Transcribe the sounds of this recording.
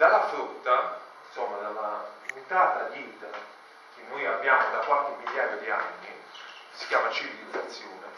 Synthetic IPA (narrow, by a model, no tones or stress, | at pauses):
d̪alːafɾut̪ːainsomːad̪alːapunt̪aːt̪ad̪iːt̪a | k̟ɪnːojabːjaːmod̪akwalk̟ɪmːiljaːjod̪ia̰nːi | si̥kjaːmat͡ʃivd̪ifat̪sːjɔːne